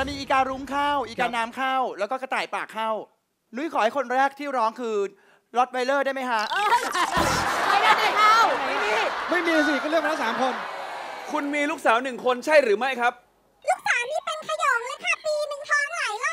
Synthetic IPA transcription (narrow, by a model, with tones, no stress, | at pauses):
ɾa˧wmiː˧ʔiː˨˩kaː˧nɾuː˦˥mkʰaː˥˩wʔiː˨˩kaː˧nːaː˦˥mkʰaː˥˩wlɛː˦˥wkɔː˥˩ka˧t̪aː˨˩jpaː˨˩kʰːa˥˩w | nu˦˥˩jkʰɔː˩˦ha˥˩jkʰo˧nɾɛː˥˩k̚t̪ʰiː˥˩wɾɔː˦˥ŋkʰɯː˧ | lɔ˦˥t̪̚wa˧jlɤː˥˩da˥˩jma˦˥jkʰa˦˥ʔ | ma˥˩a˥˩a˧˩a˥a˧ma˥˩jmiː˧ma˥˩jmiː˧s̬i˨˩kɔː˥˩ɾɯ˥˩əknaː˦˥s̬aː˩˦mkʰo˧nkʰu˧nmiː˧luː˥˩k̚saː˩˦wnɯ˨˩ŋkʰo˧nt͡ɕʰa˥˩jɾɯː˩˦ma˥˩jkʰɾa˦˥p̚ | luː˦˥˩k̚saː˨˦wniː˦˥pe˧nkʰa˧jɔː˨˩˦mlaː˧˦˥jkʰa˥˩piː˧mɯ˧ŋt̪ʰɔː˦˥ŋla˨˩˦jla˧˥